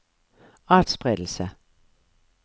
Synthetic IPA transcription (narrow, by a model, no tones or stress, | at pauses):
ɑːd̥sb̥ʁɛd̥l̩sə